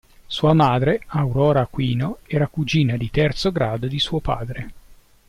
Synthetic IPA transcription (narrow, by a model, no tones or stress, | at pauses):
suːamaːd̪ɾeawɾɔːɾakwiːnoɛːɾakud͡ʒiːnad̪it̪ɛrt̪soɡɾaːd̪od̪isuːopa̰ːd̪ɾe